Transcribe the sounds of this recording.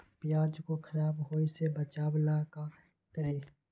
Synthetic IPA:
pɪjaːd͡ʒkokʰɐɾaːbɦoːisebət͡ʃaːblaːka | kəɾeː

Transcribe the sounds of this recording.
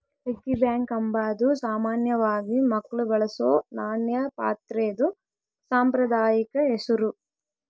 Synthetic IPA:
ekːibjaːŋkɐmbaːd̪usaːmaːnjɐʋaːɡimɐkːɐɭubɐɭɐsoːnaːnjɐpa̰ːt̪ɾeːd̪u | saːmpɾɐd̪aːjikɐesuɾu

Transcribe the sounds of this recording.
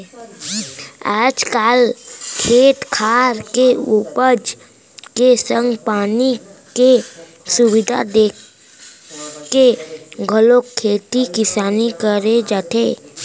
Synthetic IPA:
aːd͡ʒkaːlkʰeːt̪kʰaːɾkeupəd͡ʒ | kesə̃ŋɡpaːnike | sʊwɪd̪ʱa̰d̪eːk | keɡʱəlokʰːeːt̪ikɪsaːnikəɾed͡ʒaːt̪ʰeː

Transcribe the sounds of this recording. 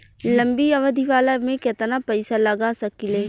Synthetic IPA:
lɐ̃mbiɐʋəd̪ʱiʋaːlamẽkɪt̪napɛɪsalɐɡasɐkileː

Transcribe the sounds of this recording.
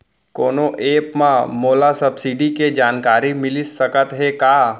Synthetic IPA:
ko̰ːnoʔeːpmãmoːlasɐbsiɖiked͡ʒaːnkaːɾimɪlisəkət̪ɦekaː

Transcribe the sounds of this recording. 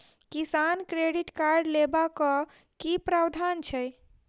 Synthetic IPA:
kisankɾeɖiʈkaɾɖlebakɔ | kipɾawd̪ʱant͡ʃʰɛj

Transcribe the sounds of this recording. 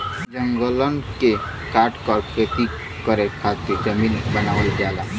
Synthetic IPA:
d͡ʒəŋɡələnke | kaɾʈkɔɾpʰet̪i | kəɾekʰat̪ked͡ʒəmiːnbənaʋəld̪ala

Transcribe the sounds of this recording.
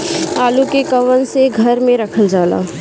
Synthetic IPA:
aːlukekɐʋənseɡʱɐɾmẽɾɐkʰəld͡ʒaːla̰ː

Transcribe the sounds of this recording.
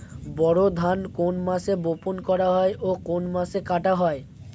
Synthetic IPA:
bɔɽod̪ʱankonmaʃeboponkɔɾaɦɔeʔokonmasekaʈaɦɔe

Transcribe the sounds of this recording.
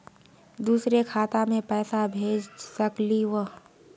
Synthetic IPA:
d̪uːsɾekʰaːt̪amẽpɛːsabʱeːd͡ʒsəkliwə

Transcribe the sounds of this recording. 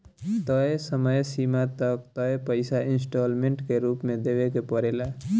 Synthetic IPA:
t̪ʌesəməjsimat̪ʌk̚t̪ʌjpəɪsainsʈolmeɳʈkeɾupmed̪ebekepəɾela

